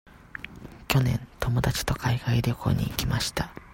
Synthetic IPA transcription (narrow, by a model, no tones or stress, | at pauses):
kʲo̞nẽ̞̰nt̪o̞mo̞d̪at͡ɕi̥t̪o̞kʰaiɡaiɾʲokʰo̞̰ːɲ̟ḭːkʲimaɕi̥t̪a